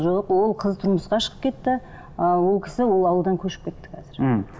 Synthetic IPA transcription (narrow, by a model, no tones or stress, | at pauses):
ʒoqwo̞lˠqʰəzt̪ʰʊɾməsqɑʃə̥ʁəp̚kʲʰe̞t̪ːɪ | əwo̞lˠkʲʰɪ̥sɪwo̞lˠɑwlˠd̪ɑŋkʲʰɵʃɪ̥pkʲʰe̞t̪ːɪ̥qʰæzɪɾ̩